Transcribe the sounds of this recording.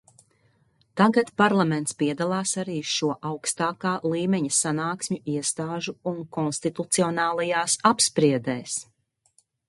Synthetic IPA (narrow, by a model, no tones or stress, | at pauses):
t̪aɡat̪paɾlˠamɛnt̪spiɛd̪alˠɑːsaɾiːʃuɔʔawkst̪aːkaːlˠiːmɛɲɐsanaːksʲmɲuiɛst̪aːʒuuŋkɔnst̪it̪ut̪siɔnaːlˠajaːsapspɾiɛd̪ɛːs